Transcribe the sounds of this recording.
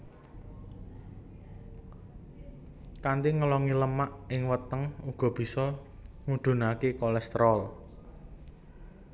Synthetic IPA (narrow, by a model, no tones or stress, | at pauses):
kand̪iŋəlɔŋiləmaʔɪŋwət̪əŋuɡ̥ɔ̤b̥i̤sɔŋud̪̥ṳnakekɔlɛst̪ɾɔl